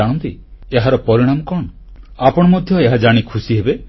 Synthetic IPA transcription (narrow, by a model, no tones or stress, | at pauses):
aɽ̃ɔnt̪ieɦaɾɔpɔɾiɽ̃amɔkɔɳ̃ɔapɔɽ̃ɔmɔd̪ʱjɔeɦad͡ʒaɽ̃ikʰusiɦebe